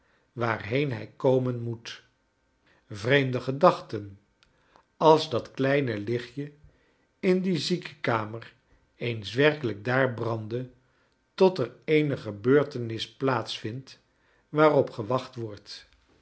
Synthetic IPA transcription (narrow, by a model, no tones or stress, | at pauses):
ʋaːrɦejnɦɛ̰jkowmənmut | vrejmdəχədɑχtən | ɑlˠzdɑtklɛjnəlɪχjə | ɪndizikə̥kaːmər | ejnsʋɛɹkələɡ̚daːɹbrɑndə | tɔtərejnəχəbøːɹtənɪsplaːtsfɪnt | ʋaːrɔpχəʋɑχtʋɔɹt